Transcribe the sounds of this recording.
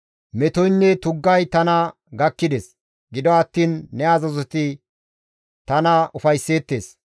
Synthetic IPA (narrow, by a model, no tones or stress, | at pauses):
mɛt̪ɔjnːɛt̪ʊɡːɐjt̪ɐnɐ | ɡɐkːɪd̪es | ɡɪd̪ɔɐt̪ːiːnːɛɐzɐzɔt̪ɪ | t̪ɐnɐʔʊfɐjsːe̞ːt̪ːe̞ːs